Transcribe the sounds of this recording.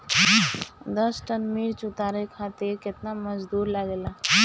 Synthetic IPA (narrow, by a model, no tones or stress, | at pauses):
d̪əsʈənmiɽt͡ʃut̪aɾekʰat̪iɾket̪naməd͡ʒd̪uɾlaɡela